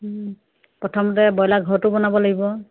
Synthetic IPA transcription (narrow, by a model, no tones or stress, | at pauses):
pɹɔtʰɔmɔt̬ɛbɔjlaɡʱɔɹtʊbɔnabɔlaɡibɔ